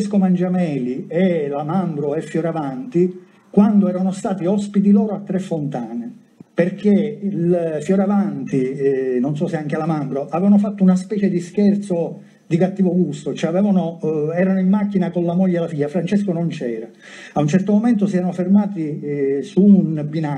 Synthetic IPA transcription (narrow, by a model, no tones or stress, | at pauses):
skomand͡ʒamɛːliɛlamambɾoefːjoɾavant̪i | kwand̪oɛːɾanost̪aːt̪iɔspit̪̬ilɔːɾoat̪ːɾefːont̪aːne | perk̟elfjoɾavant̪inonsɔseaŋk̟elamambɾoʔavɛvanofat̪ːounaspɛːt͡ʃed̪isk̟ɛrt̪so | d̪ikat̪ːiːvoɡust̪ot͡ʃɛavɛːvanoɛːɾanoimːak̟ːinakonlamoʎːelafiʎːafɾant͡ʃeskonont͡ʃɛːɾaː | unt͡ʃɛrt̪omoment̪̬osiɛːɾanofermaːt̪isunbina